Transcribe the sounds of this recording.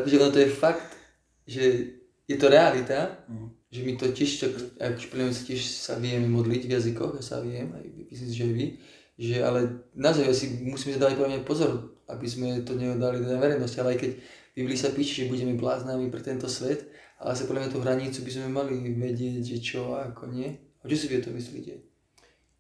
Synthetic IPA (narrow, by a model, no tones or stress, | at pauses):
t̪ʒɛɔnɔt̪ɔjɛfakt̪ | ʒɛ | jɛt̪ɔɾɛalit̪a | ʒɛmit̪ɔcɪɛʃt̪aka̰juʃpɔlamɲɛsḁcɪɛʃsa̰ʋɪɛmɛmɔd̪liɟvjazikɔ̰ɣasa̰ʋɪɛma̰jmmislims̬iʒɛajʋi | ʒɛa̰lɛnazaʊjasimusiːms̬ad̪aːʋac̚pɔɾlamɲapɔzɔɾa̰bizmɛt̪ɔɲɛɔd̪alit̪ɛd̪aʋɛɾɛjnɔscialɛajkɛɟʋiʋlisapiːʃɛʒɛbuɟɛmɛblaːznamipɾɛt̪ɛnt̪ɔsʋɛt̪alɛ̰as̬ajpɔdlamɲjat̪uɦɾaɲit͡subizmɛmaliʋɛɟɪɛɟʒɛt͡ʃɔakʰɔɲɪɛ | ɔt͡ʃɔsiʋiɔt̪ɔmislḭːcɛ